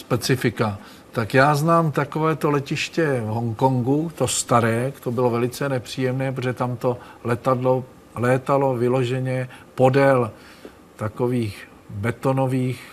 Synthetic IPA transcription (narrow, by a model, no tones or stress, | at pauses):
spɛt͡sɪfɪka | t̪akjaːznaːmt̪ako̞vɛːt̪olɛcɪʃcɛvɦoŋko̞ŋɡut̪ost̪aɾɛːkt̪obɪlovɛlɪt͡sɛnɛpr̝̥iːjɛmnɛːpɾoʒɛt̪amt̪o̞lɛt̪adlo | lɛːt̪alo̞vɪlo̞ʒɛɲɛpo̞dɛl | t̪ako̞viːx | bɛt̪o̞no̞viːx